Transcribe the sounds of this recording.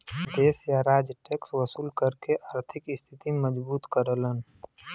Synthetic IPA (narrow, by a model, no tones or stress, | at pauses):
d̪eːsjaɾaːd͡ʒʈeːkswəsuːlkəɾkeʔaːɾt̪ʰɪkɪst̪ʰɪt̪iməd͡ʒbuːt̪kəɾələn